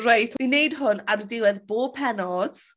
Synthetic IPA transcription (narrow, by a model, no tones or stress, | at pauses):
rajtʰinejdɦʊnaɾdɪwɛðboːb̚pʰɛnɔd̥